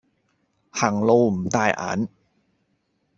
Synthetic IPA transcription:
ha˨˩ŋloː˧mt̪aː˧jʔa̰ː˩˦n

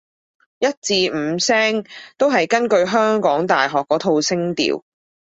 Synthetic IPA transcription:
jɐ˥t̚t͡siː˧m̩˨˧sɛː˥ŋt̪o˥wɦɐ˨jkɐ˥nkɵ˧ɥɦœː˥ŋkɔː˨˥ŋt̪aː˨jɦɔː˨kːɔː˨˥t̪ʰo˧wsɪ˥ŋt̪ḭː˨˩w

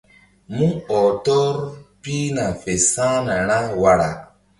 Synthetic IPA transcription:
mũ˦ɔ˨tɔ˦ɾpi˦nã˨fe˨sã˦nã˨ɾ̃ã˦wa˨ɾa˨

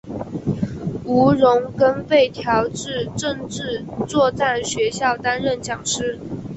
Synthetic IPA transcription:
u˧˥ɻʊ˧˥ŋkə˥nfe˥˩ɪt̪ʰjɑ˧˥ʊʈ͡ʂɻ̩˥˧ʈ͡ʂə˥˧ŋʈ͡ʂɻ̩˥˧t͡swɔ˥˧t͡sa˥˩nɕɥɛ˧˥ɕjɑ˥˩ʊt̪a˥nɻə˥˩nt͡ɕjɑ˨˩ŋʂɻ̩˥

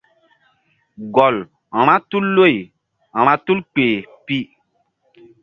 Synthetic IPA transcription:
ɡɔ˨l | ã˨m̃ã˦tu˦lːo˦˨j | ã˨ɾ̃ã˦tu˦lk͡peː˨pi˦

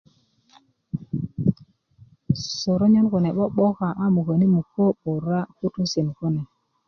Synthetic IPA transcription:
so˨ɾo˦ɲo˦nko˨ne˨ɓo˦ɓo˦ka˨ʔa˦mu˨ko˨ni˦mu˨ko˦ɓo˨ɾa˦ku˦tu˦si˨nko˦ne˨

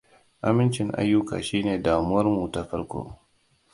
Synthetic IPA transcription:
ʔa˦mɪ˦nt͡ʃɪ˨ŋʔa̰˦jːʊ˦ka̰ː˨ʃiː˦neː˨daː˨mu˦wɐ˦rmuː˨ta˨ɸɐ˦rkʷo̰ː˦

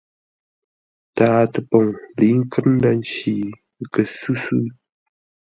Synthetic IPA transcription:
taː˨tə˨po˨ŋli˨˦ŋ̩˦kə˦n̩˦da˦n˦t͡ʃi˨ | kə˨sʉ˦sʉ˦

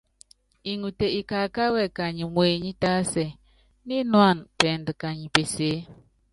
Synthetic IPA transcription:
i˨ŋu˨te˨i˨ka˨ka˦wɛ˦˨ka˨ɲi˨mweː˨ɲi˦ta˦sɛ˨ | ni˦nwa˦˨npɛ˨n˨dɨ˨ka˨ɲi˨pe˨se˨˦

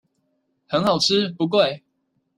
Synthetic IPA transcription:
hə˨˦nhɑ˨˩ʊʈ͡ʂ̩ʰ˦pu˨˧˦k̬we˥˨ɪ

